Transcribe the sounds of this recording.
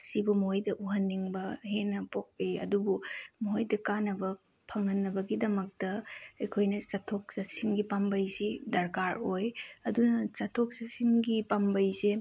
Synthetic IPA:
sibumɦojdɐʔuɦɐnːiŋbɐɦenːɐpok̚ejɐ̰dubumuɦojdɐkanːɐbɐ | pʰɐŋːɐnːɐbɐɡidɐmɐk̚tɐɐjkʰojnɐt͡ʃɐtʰok̚sɐsinɡipambɐjsidɐɾkaɾojɐdunɐt͡ʃɐtʰok̚sɐsiŋɡipambɐjse

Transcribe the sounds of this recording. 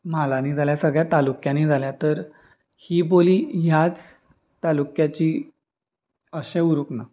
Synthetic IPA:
malaniːd͡zʱaljasəɡɭjat̪alukjaniːd͡zʱaljat̪əɾ | hiːboliːɦjat͡s | t̪alukjat͡ɕiː | əɕẽuɾukna

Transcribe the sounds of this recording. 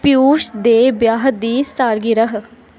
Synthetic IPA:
pɪjuːʃd̪eːbjaːɦəd̪iːsaːɾɡiːɾəɦ

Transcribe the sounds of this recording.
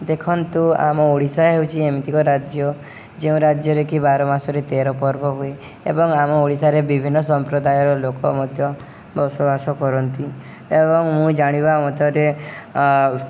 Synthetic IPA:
d̪ekʰɔnt̪ua̰mɔoɽisaɦewt͡ʃʰiemit̪ikɔɾad͡ʒjɔ | d͡ʒeũɾad͡ʒjɔɾekibaɾɔmasɔɾet̪eɾɔpɔɾbʱɔɦue | ḛbɔŋamɔoɽisaɾebibʱinːɔsɔmpɾɔd̪ajɔɾɔlokɔmɔd̪ʱjɔ | bɔsɔbasɔkɔɾɔnt̪i | ebɔŋmũd͡ʒaɽ̃ibamɔt̪ɔɾe

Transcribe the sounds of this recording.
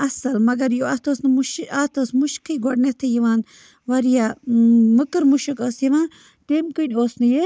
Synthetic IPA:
ɐsɐlmɐɡɐɾjoɐt̪ʰoːsnɨmuʃat̪ʰoːsmuʃkʰɐjɡɔɖnɐt̪ʰɐjiʋaːn | ʋɐɾijamɨkɨɾmuʃɐkosjiʋãːn | temkɨnʲoːsnɨje

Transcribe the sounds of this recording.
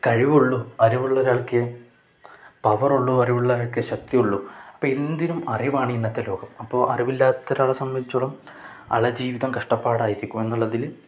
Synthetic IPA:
kɐɻiʋuɭːuɐɾiʋuɭːɐːɾaːɭkɨ | pɐʋɐruɭːuɐriʋuɭːɐɾaːɭkɨɕɐk̚t̪iuɭːuɐpːoːend̪inumɐrijʋaːɳienːɐt̪ːɐlo̞ːɡɐmɐpːo̞ːʔɐ̰riʋilːaːt̪ːɐɾaːɭɐsɐmjɐd̪it͡ɕːuoɭɐm | ɐ̰ɭɐd͡ʑiːʋiðɐmkɐʂʈɐpːaːɽaːjiɾikʲːume̞nːuɭːɐðil

